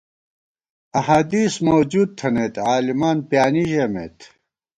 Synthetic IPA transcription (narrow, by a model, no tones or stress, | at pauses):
ɐhad̪iːsmowd͡ʑuːd̪̚t̪ʰɐnet̪aːlimaːnpijaːniʑemḛːt̪